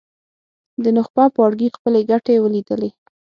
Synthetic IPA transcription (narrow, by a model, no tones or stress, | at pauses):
d̪ənʊxpɑpɑɽɡixpəleɡaʈewəlid̪əle